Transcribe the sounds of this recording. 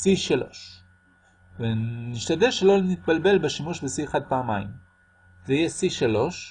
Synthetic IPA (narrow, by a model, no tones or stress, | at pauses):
siʃalo̞̰ʃ | veniʃt̪ad̪eʃelo̞lnit̪̚balbe̞lbeʃimuʃbesiχad̪̚paːmaḭm | zeijesiʃalo̞ʃ